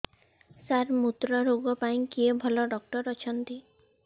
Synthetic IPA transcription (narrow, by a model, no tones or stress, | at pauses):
saɾmut̪ɾɔɾoɡɔpaĩkiebʱɔlɔɖɔk̚ʈɔɾɔt͡ʃʰɔnt̪i